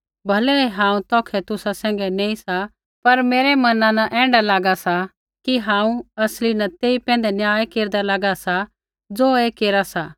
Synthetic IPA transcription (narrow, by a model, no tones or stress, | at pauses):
bʱɐlɛeɦãːũt̪ɔ̃ːkʰɛt̪ʊsasɛ̃ːŋɡɛnẽːĩsa | pɐɾmeːɾɛmɐnãnɐʔɛ̃ːɳɖalaːɡasa | kiɦãːũɐslinɐt̪eːipɛ̃ːnd̪ɛnjaːjkeːɾd̪alaːɡasa | d͡zoːekeːɾasa